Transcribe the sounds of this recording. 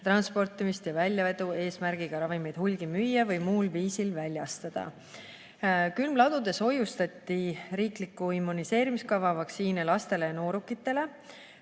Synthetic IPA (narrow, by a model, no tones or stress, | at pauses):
t̪rɑnspo̞rt̪ˑːimist̪jɑvælʲjɑve̞d̪ue̞ːsmærɡ̥iɡ̥ɑɾɑvime̞jd̪̥hulɡ̥imyjːɑvɤjmuːlviːsilvælʲjɑst̪ɑd̪̥ɑ̰ | kylmlɑd̪ud̪̥e̞so̞just̪ɑt̪ːiɾiːklikːuimːunise̞ːɾimiskɑvɑvɑksiːnelɑst̪e̞le̞jɑno̞ːɾukːˑit̪ːˑe̞le̞